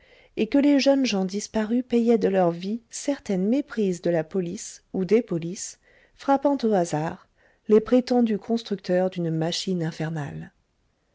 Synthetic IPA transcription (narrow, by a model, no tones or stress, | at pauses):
ekəleʒənʒɑ̃d̪ispaʁypɛjɛd̪əlœʁvisɛʁt̪ɛnmepχizd̪əlapɔlisud̪epɔlis | fχapɑ̃t̪oazaʁ | lepχet̪ɑ̃d̪ykʰɔ̃st̪χyk̚t̪œʁd̪ynmaʃinɛ̃fɛʁna̰l